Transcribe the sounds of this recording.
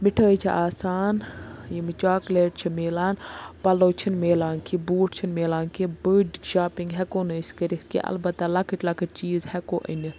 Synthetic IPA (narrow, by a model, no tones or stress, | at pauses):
miʈʰəːjt͡ʃʰiʔaːsaːnjimɨt͡ʃaːkleːʈ̚t͡ʃʰimeːlaːnpɐloːt͡ʃʰinmeːlaːnkʰibuːʈ̚ʰt͡ʃʰinmeːlaːnkibəːɖʒaːpiŋɡɦɛkoːnəskɐɾit̪kḭʔɐ̰lbɐt̪ːɐlɐkʰəʈʲlɐkʰɨt͡ʃiːzhɛkoːʔḭni